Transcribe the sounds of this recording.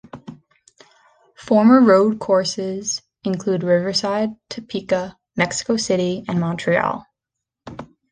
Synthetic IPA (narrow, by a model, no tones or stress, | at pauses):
fɔɹmə˞ɹoʊd̚kʰɔɹsɪz | ɨ̃nkʰl̥ʉd̚ɹɪvə˞saɪd̚tʰɨpʰikə | mɛksɪ̥koʊsɪɾiɨ̃nmɑ̃ntʰɹ̥iɔ̰lˠ